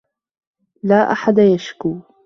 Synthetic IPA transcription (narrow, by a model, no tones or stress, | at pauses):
laːʔa̰ħad̪ajaʃkuː